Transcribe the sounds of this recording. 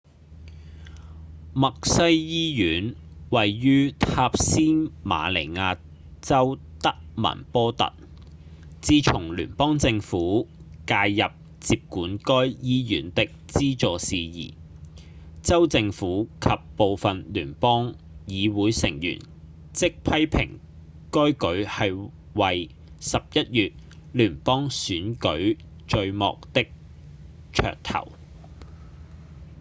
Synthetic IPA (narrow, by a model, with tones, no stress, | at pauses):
mɐ˨k̚sɐ˥jjiː˥jyː˨˥nwɐ˨jːyː˥t̪ʰaː˧p̚siː˥nma̰ː˨˧le˨˩jŋaː˧ | t͡sɐ˥w | t̪ɐ˥k̚mɐ̰˨˩npɔː˥t̪ɐ̰˨t̚ | t͡siː˥t͡sʰʊ˨˩ŋly̰ː˨˩npɔː˥ŋt͡sɪ˧ŋfuː˨˥kaː˧jjɐ˨p̚ | t͡siː˧p̚kuː˨˥nkɔː˥jjiː˥jyː˨˥nt̪ɪ˨k̚t͡siː˥t͡sɔː˨siː˧jḭː˨˩ | t͡sɐ˥wt͡sɪ˧ŋfuː˨˥kʰɐ˨pːo˨wfɐ˨nlyː˨˩npɔː˥ŋ | jiː˨˧wuː˨˥jsɪ˨˩ŋjy̰ː˨˩n | t͡sɪ˥k̚pʰɐ˥jpʰɪ̰˨˩ŋ | kɔː˥jkɵ˨˥ɥhɐ˨j | wɐ˨j | sɐ˨p̚jɐ˥t̚jyː˨t̚ | lyː˨˩npɔː˥ŋsyː˨˥nkɵ˨˥ɥ | t͡ʃɵ˧ɥmɔ̰ː˨k̚t̪ɪ˥k̚ | t͡ʃʰœ̰ː˨˩k̚t̪ʰɐ̰˨˩w